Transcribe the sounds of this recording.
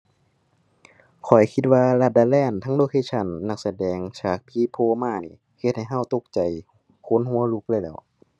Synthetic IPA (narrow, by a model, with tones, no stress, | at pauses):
kʰɔ˨˩jkʰi˧t̪̚waː˧la˧t̪̚daː˧˩lɛː˧˥˩nt̪ʰaː˧˥ŋloː˧kʰeː˧˨t͡ɕʰa˧˩˨nːa˧˩k̚sa˧dɛː˨ŋt͡ɕʰaː˨˩k̚pʰiː˧˥pʰoː˧maː˧˩niː˧˩ | he˧t̪̚ha˧˩jɦa˧˥˩wt̪o˧˩k̚t͡ɕa˨˩j | kʰo˧˥˨nhu˧˥˨əlu˧˥k̚lɤː˧˨jlɛː˧˩w